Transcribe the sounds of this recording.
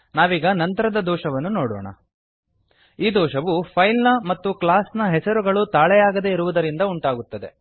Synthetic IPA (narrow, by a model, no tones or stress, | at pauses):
naːʋiːɡɐnɐnt̪ɐɾɐd̪ɐd̪ɔːʂɐʋɐnːunoːɽɔ̰ːɳɐ̰ | iːd̪ɔːʃɐʋupʰɐjlnɐmɐt̪ːuklaːsnɐɦɛsɐɾuɡɐɭut̪aːɭɛjaːɡɐd̪e̞iɾuʋud̪ɐɾind̪ɐuɳʈaːɡut̪ːɐd̪e̞̰